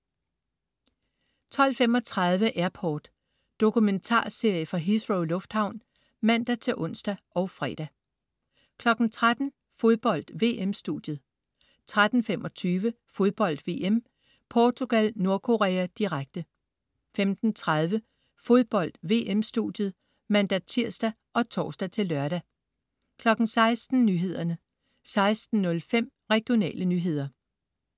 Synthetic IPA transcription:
t͡sʰɒ̽l̰fem̰ɒ̽t͡sʰʁɑð̞ˠʋəʔæɐpʰɒ̰ːd̥ː | o̝kʰument͡sʰɑ̰̈ːse̝ɐ̰jəfʁɑ̈ɦisʁoʊlɔ̽fd̥hɑ̈ʊ̰n | mæn̰d̥æt͡sʰe̝ʔɔ̽n̰sd̥æʔɒʊfʁɛ̰ːd̥æ | kʰlɒ̽ɡ̥n̩t͡sʰʁad̥n̩ | fo̝ðˠb̥ɒ̽l̰d̥ʋe̝̰ːʔemsd̥ṵd̥jð̞̩ˠ | t͡sʰʁad̥n̩femɒt͡sʰyːʋə | fo̝ð̞ˠb̥ɒ̽l̰d̥ʋe̝̰ːʔem | pʰɒːt͡sʰoɡ̥ælno̝ɐkʰo̝ʁɛːæd̥iʁaɡ̥̚d̥ə | femd̥n̩t͡sʰʁað̞ˠʋə | fo̝ð̞ˠb̥ɒ̽l̰d̥ʋe̝̰ːʔemsd̥ṵd̥jəð̞̩ˠ | mænd̥æt͡sʰiɐ̰sd̥æ | ʔɒ̽t͡sʰɒ̰ːsd̥æt͡sʰe̝lːɶɐɾ̥æ | kʰlɒ̽ɡ̥n̩sɑ̈ɪsd̥n̩nyːɦe̝ð̞̰ˠɐnə | sɑ̈ɪsd̥n̩ːɔ̽lfem̰ | ʁɛɡ̥jo̝nɛ̰ːlʔənyːɦe̝ð̞̰ˠɐ

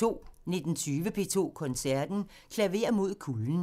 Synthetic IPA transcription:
o̝̰ːne̝d̥n̩t͡sʰyːʋəpʰe̝̰ːt͡sʰo̝̰ːkʰɒ̽nsæɐd̥n̩ | kʰlæʋe̝̰ːɐmo̝ð̞̰ˠkʰuln̩

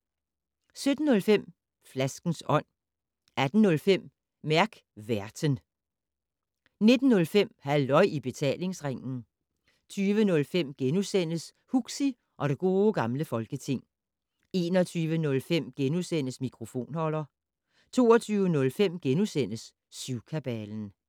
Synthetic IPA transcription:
sød̥n̩ːɔ̽lfem̰ | flæsɡ̥n̩sɒ̽n̰ | æd̥n̩ːɔ̽lfem̰ | mæɐɡ̥ | ʋæɐd̥ən | ne̝d̥n̩ːɔ̽lfem̰hælɒ̽ɪ̰ʔib̥e̝t͡sʰɛ̰ːle̝ŋsʁaŋ̰n̩ | t͡sʰyːʋənɔ̽lfem̰ɡ̥enusen̰əs | huɡ̥si | ʔɒ̽ɾe̝ɡ̥o̝ːɡ̥ɑ̈mləfɒ̽lɡ̥ət͡sʰe̝ŋ̰ | e̝ːnɒt͡sʰyːʋənɔ̽lfem̰ɡ̥enusen̰əsmikʰʁo̝fo̝̰ːnhɒ̽lɐ | t͡sʰo̝ːɐt͡sʰyːʊənɔ̽lfem̰ɡ̥enusen̰əsː | yʊkʰæb̥ɛln̩

